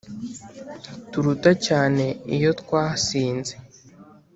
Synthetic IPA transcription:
tuɾutacaːne̞ijo̞tkwaːsiːnze

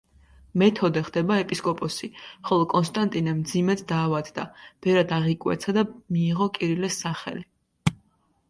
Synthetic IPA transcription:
mɛt̪ʰɔd̪ɛχd̪̥ɛbaɛpʼiskʼɔpʼɔsiχɔlˠɔkʼɔnst̪ʼant̪ʼinɛmd̪zimɛd̪ʰd̪aːvad̪d̪ab̥ɛɾad̪aʁikʼwɛ̰t̪sʰad̪amiːʁɔkʼiɾilɛsːaχɛ̰li

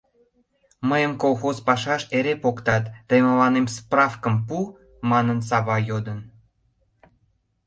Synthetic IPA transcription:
məjəmkolxozpɑʃɑʃeɾepokt̪ɑt̪ːeməlɑnemsprɑfkəmpu | mɑnənsɑβɑjod̪ən

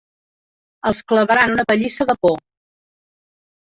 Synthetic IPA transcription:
əlˠskləβəɾanunəpəʎisəðəpɔ

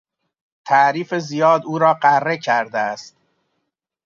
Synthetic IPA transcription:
t̪ʰæʔɾiːfezijɒːd̪uːɾɒːɢærːe̞cʰæɾd̪eæst̪̚

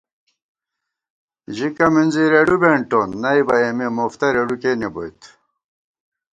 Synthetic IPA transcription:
ʑikɐminziɾeɽubeɳʈonːɐibɐjemimoft̪ɐɾeɽukeːnebojt̪

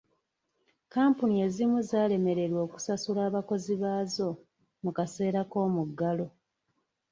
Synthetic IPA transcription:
kaːmpunie̞ːzimuzaːle̞me̞ɾe̞ɾwo̞ːku̥sasulaːβako̞ziβaːzo̞ | mukase̞ːɾako̞ːmuɡːalo̞

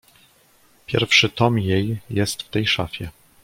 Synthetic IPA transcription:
pʲjɛ̰ɾfʂɘt̪ɔmjɛjjɛst̪ft̪ɛjʂafʲjɛ

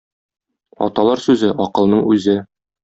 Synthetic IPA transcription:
ɒ̰t̪ɑlˠɑɾsʉzɘʔɒqɤ̆lˠnɤɴʉzɘ

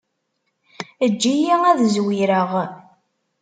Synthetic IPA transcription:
əd͡ʒːijiæðzwiɾəʁ

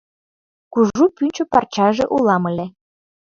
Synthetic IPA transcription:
kuʒupynʲt͡ɕopɑrt͡ɕɑʒeʔulɑməle

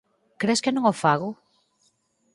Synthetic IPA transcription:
kɾeskɪnõŋofaɣʊ

